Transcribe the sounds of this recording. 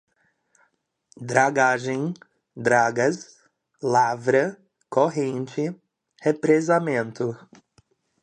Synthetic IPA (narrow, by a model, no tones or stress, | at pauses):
d̪ɾaɡaʒẽj̃ | d̪ɾaɡɐs | lavɾɐ | koɦẽnt͡ʃɪ | hepɾezamẽnt̪ʊ